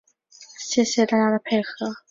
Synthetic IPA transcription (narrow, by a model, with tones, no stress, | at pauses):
ɕjɛ˥˩ɕjɛ˧t̪a˥˧t͡ɕja˥˩d̪ə˩pʰe˥˩ɪxɤ˧˥